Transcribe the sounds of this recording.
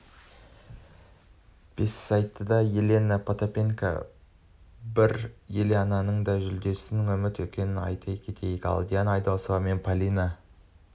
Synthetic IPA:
b̥e̞sːɑjt̪ːəd̪ɑje̞le̞nəpʰot̪opʲeŋka̰ | bɪɾjeleɑnɑnəɴd̪ɑʒʏld̪e̞sɪnɪŋɵmɪt̪wɵkʲe̞nɪnɑ̰jt̪ʰɑjkʲʰe̞t̪ʰe̞jkɑ̰lˠd̪ijanɑjd̪ɑsovɑme̞npʰalʲina

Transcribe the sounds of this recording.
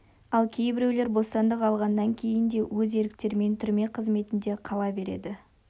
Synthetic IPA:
ɑlˠkʲʰe̞jbɪɾewle̞ɾbo̞st̪ɑnd̪əqɑlˠʁɑnːɑŋkʲʰe̞jɪnd̪e̞wɵze̞ɾɪkt̪e̞ɾme̞nt̪ʰʏɾme̞qʰəzme̞t̪ɪnd̪e̞qʰɑlˠɑbe̞ɾe̞̰d̪ɪ

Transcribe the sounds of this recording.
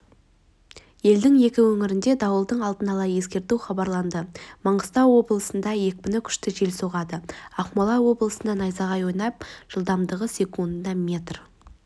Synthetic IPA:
je̞ld̪ɪŋje̞kʲɪwɵŋɪɾɪnd̪e̞d̪ɑwəlˠd̪əɴɑlˠd̪ənɑlˠɑje̞skʲe̞ɾt̪ewχɑbɑɾlˠɑnd̪əmɑɴʁəst̪ɑwwo̞blˠəsənd̪ɑje̞k̚ʲbɪnɪkʲʰʏ̥ʃt̪ɪʒe̞lsoʁɑd̪əɑqmolˠɑwo̞blˠəsənd̪ɑnɑjzɑʁɑjwojnɑp̚ʒ̥əlˠd̪ɑmd̪əʁəsʲe̞kund̪d̪ɑmʲe̞t̪r

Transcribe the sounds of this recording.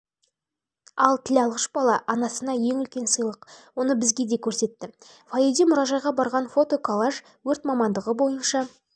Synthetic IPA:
ɑlˠt̪ʰɪlɑlˠʁəʃbɑlˠɑʔɑnɑsənɑje̞ŋʏlkʲe̞nsəjlˠəqwo̞nəbɪzɡʲe̞d̪e̞kʲʰɵɾse̞t̪ːɪ | fajid̪imʊɾɑʒɑjʁɑbɑɾʁɑnfo̞t̪o̞kʰolˠaʒ | wɵɾt̪mɑmɑnd̪əʁəbo̞jənʃɑ

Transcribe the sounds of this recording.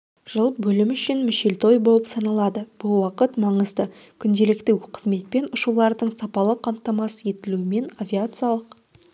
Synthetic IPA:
ʒ̥əlˠəp̚bɵlɪmʏʃɪnmɪʃelt̪o̞jbo̞lˠəpsɑnɑlˠɑd̪əb̥ʊlˠwɑqət̪mɑɴəzd̪ə | kʲʰʏnd̪e̞lɪkt̪ɪqʰəzme̞t̪̚pe̞nʊʃulˠɑɾd̪əɴsɑpɑlˠəqʰɑmt̪ɑmɑsəje̞t̪ɪluɪme̞navʲiat̪sɨjalˠəq

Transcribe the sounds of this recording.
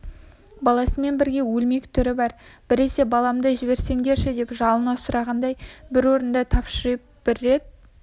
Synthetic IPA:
bɑlˠɑsəme̞nbɪɾɡʲe̞wɵlme̞kʲt̪ʰʏɾɪbɑɾb̥ɪɾe̞se̞bɑlˠɑmd̪əʒɪbe̞ɾse̞ŋɡʲe̞ɾʃɪd̪e̞pʒɑlˠənɑsʊɾɑʁɑnd̪ɑjbɪɾwo̞ɾənd̪ət̪ʰɑpʃəɾəp̚b̥ɪɾe̞d̪

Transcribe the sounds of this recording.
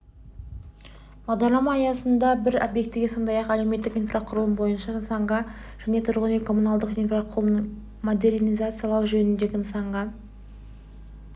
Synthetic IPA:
b̥ɑʁd̪ɑɾlˠɑmɑːjɑsənd̪ɑbɪɾo̞bje̞k̚t̪ːɪɡʲeso̞nd̪ɑjɑqælewme̞t̪ːɪkijnfraqʰʊɾəlˠəmbo̞jənʃɑmsɑɴʁɑʒ̥æne̞t̪ʰʊɾʁənekʰo̞munalˠd̪əqijnfraqʰ | mod̪e̞rnijzat̪sɨjɑalˠɑwʒɵnɪnd̪e̞ɡʲɪmsɑɴʁɑ

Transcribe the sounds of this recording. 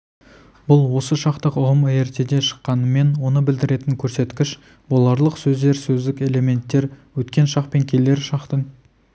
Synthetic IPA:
bʊlˠwo̞səʃɑqt̪əqʊʁəmeɾt̪e̞d̪e̞ʃə̥qːɑnəme̞nwo̞nəbɪld̪ɪɾe̞t̪ɪŋkʲʰɵɾse̞t̪kʲɪʃ | bolˠɑɾlˠəqsɵzd̪e̞ɾsɵzd̪ɪkʲe̞le̞me̞nt̪ːe̞ɾwɵt̪kʲe̞nʃɑqpe̞ŋkʲʰe̞le̞ɾʃɑqt̪əŋ

